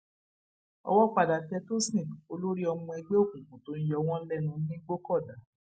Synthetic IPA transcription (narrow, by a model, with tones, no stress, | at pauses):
ɔ̰˧wɔ˦k͡pa˨da˨tɛ˧˦to˦sĩ˦˨o˧lo˦ɾi˦ɔ˧mũ˧i˧ɡ͡be˦o˦˨kũ˨kũ˨to˨˦n̩˦jɔ˧w̃ɔ̃˦lɛ˦nũ˧˦nĩ˦ɡ͡bo˦kɔ˦˨da˨˦